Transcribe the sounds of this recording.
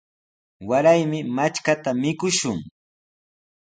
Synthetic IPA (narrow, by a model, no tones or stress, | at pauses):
waɾajmɪmat͡ʃkat̪amɪkʊʃʊŋ